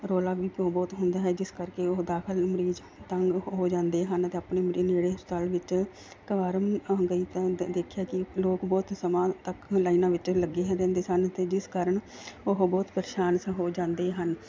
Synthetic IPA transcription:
ɾoːlaːʋiːpoːbɔːt̪ɦʊnd̪aːɦɛːd͡ʒɪskəɾkeːoɦd̪aːkʰɪlməɾiːd͡ʒ | t̪əŋɡɦoːd͡ʒãːnd̪eːɦənət̪eːəpneːmɾiːneːɽeːəst̪əlʋɪt͡ʃ | kəʋaːɾəmɡəiːt̪ãd̪eːkʰjaːkɪloːkbɔːt̪səmãːt̪əklaːinãːʋɪt͡ʃləɡːeːɦɛ̃ːd̪ɛ̃ːnd̪eːsənt̪eːd͡ʒɪskaːɾəɳ | ʊɦbɔːt̪pəɾʃaːnsɦoːd͡ʒãːnd̪eːɦən

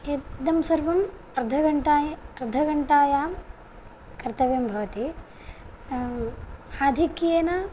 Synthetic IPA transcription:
ed̪ɐmsɐɾʋɐm | ɐɾd̪ʱɐɡɐɳʈaːjɐɾd̪ʱɐɡɐɳʈaːjaːm | kɐɾt̪ɐʋeːmbʱɐʋɐt̪i | aːd̪ʱikijɐnɐ

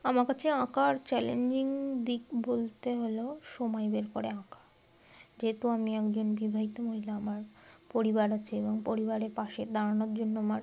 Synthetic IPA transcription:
amaɾkat͡ɕʰeãkaɾt͡ɕɛleɲd͡ʑiŋd̪ikbolt̪eɦoloʃomaebeɾkoɾeãkḁ | d͡ʑeɦet̪uamiɛkd͡ʑonbibʱaɦit̪omoɦilaamaɾpoɾibaɾat͡ɕʰeeboŋpoɾibaɾeɾpaʃeɾd̪aɾanoɾd͡ʑonːoamaɾ

